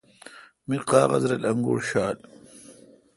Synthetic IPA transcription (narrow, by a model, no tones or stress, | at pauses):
miqɑːʁɐ̰zɾɐlɐŋɡo̰ɽɕaːl